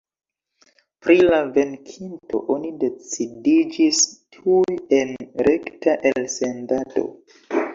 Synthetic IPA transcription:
pɾilave̞nkʰinto̞̰ʔonide̞t͡sidid͡ʒistʰuje̞nɾe̞ktaʔelse̞ndato̞̰

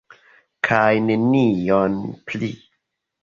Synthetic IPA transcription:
kʰajne̞nionpli

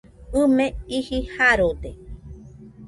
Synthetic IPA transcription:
ɨmẽihihaɾod̪e

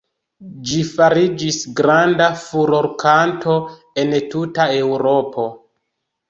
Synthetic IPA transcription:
d͡ʒifaɾid͡ʒisɡɾandafuɾoɾkʰantʰo̞ | entutaewɾo̞pʰo̞

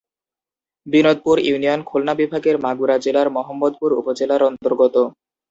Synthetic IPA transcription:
binod̪̚puɾiunijonkʰolnabibʱaɡeɾmaɡuɾad͡ʑelaɾmɔɦomːod̪̚puɾṵpod͡ʑelaɾɔnt̪oɾɡot̪o

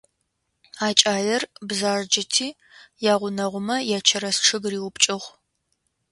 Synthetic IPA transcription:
aːt͡ʃʼaːjɐrbzaːrd͡ʒɪtʰiː | jaːʁʷʊnɐʁʷʊmɐjaːt͡ʃʰɐɾɐsʈ͡ʂʰɨɡriːwʊpt͡ʃʼɪʁʷ

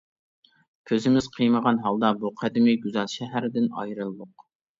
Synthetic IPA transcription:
kʲʰøzɪmɪz̥qʰəjməʁɑnɦɑlˠd̪ɑbuqʰæd̪ɪmiɡʲyzɑnˠʃɛɦæɾɪd̪ɪnɑ̰jɾɨlˠd̪ˠʊq

